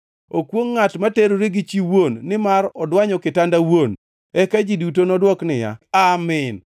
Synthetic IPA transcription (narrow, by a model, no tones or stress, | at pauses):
okwoŋːatmateɾoɾeɡɪt͡ʃiwonːɪmaɾɔdwaɲɔkɪtandawon | ɛkad͡ʒidutonɔdwɔknɪja̰amɪn